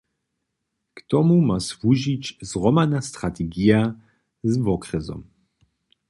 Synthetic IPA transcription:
kt̪ɔmumasvuʒit͡ɕzrɔmanast̪ɾat̪ɛɡija | zvɔkɾɛzɔ̰m

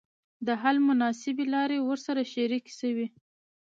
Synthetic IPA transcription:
d̪əɦalmʊnɑsɪbelɑɾewəɾsaɾaʃeɾiksəwi

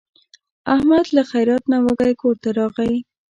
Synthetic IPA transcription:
ahmad̪laxajɾɑt̪nawəɡajkʰoɾt̪aɾɑɣawi

